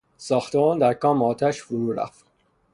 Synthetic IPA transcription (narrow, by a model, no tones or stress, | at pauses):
sɒːxt̪ʰemɒːnd̪æɾkʰɒːmeɒːt̪ʰæʃfoɾuːɾæ̰ft̪